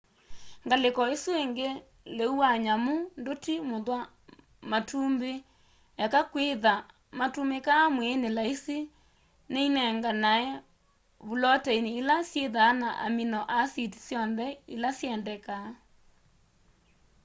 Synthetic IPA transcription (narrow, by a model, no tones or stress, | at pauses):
ŋɡalekɔesueŋɡe | leuaɲamondotimoðwa | matʰumbe | jakakweða | matumekaːmwɛːnelaise | neinɛŋɡanaɛ | βulɔtɛineːlasjeðaːnaʔa̰minɔʔasiti̥sjɔnðɛilasjɛndɛka